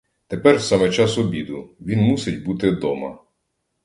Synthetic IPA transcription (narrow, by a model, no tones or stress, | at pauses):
t̪epɛrsɑmɛt͡ʃɑsɔbʲid̪ʊʋʲinmusɪt̚ʲbut̪ɪd̪ɔmɐ̰